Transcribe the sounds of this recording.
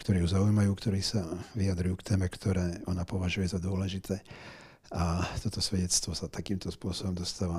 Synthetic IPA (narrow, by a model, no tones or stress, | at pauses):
kt̪ɔɾiːɦuzaujmajuːkt̪ɔɾiːsaʋiad̪ɾujuːkt̪ɛːmɛkt̪ʰɔɾɛːʔɔnapɔʋaʒujɛzad̪ʊɔlɛʒit̪ʰɛː | at̪ɔt̪ɔsʋɛɟɛt͡st̪ʋɔsat̪akiːmt̪ɔspʊɔsɔbɔmd̪ɔst̪aːʋa